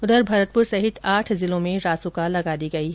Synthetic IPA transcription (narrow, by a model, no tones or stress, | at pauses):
ʊd̪əɾbʱɐɾət̪̚pʊɾsɐɦɪt̪aːʈʰzɪlõmẽɾaːsukalɐɡaːd̪iɡɐiɦɛ